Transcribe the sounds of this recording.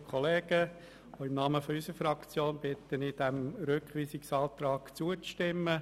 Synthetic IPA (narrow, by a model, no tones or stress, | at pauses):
kʰɔleːɡ̥ə | oɪmnɑːməfɔysəɾfɾɑkt͡sjoːnb̥ɪt̪ːənid̥ɛmɾʏkχʋiːsɪksɑːt̪ɾɑːɡt͡suət͡sʃtɪmːə